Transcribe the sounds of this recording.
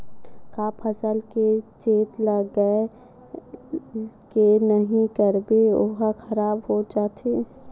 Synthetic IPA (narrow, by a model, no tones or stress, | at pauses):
kaːpʰəsəlket͡ʃeːt̪ləɡəe | kenəɦĩkəɾbeoɦaxʰɐɾaːbɦod͡ʒaːt̪ʰeː